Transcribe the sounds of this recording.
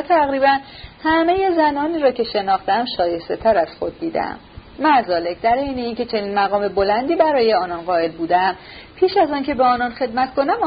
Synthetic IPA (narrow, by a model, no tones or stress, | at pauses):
t̪ʰæɣɾiːbænhæme̞je̞zænɒːniːɾɒːcʰe̞ʃe̞nɒːxt̪eæmʃɒːje̞st̪e̞t̪ʰæɾæz̥xo̞d̪̚ːiːd̪æ̰mmæzɒːle̞cd̪æɾejne̞iːncʰe̞t͡ʃʰe̞niːnmæɣɒːme̞bo̞lænd̪iːbæɾɒːje̞ɒːnɒnɢɒːe̞lbuːd̪eæm | pʰiːʃæzɒːncʰe̞beɒːnɒnxe̞d̪mæt̪ko̞næm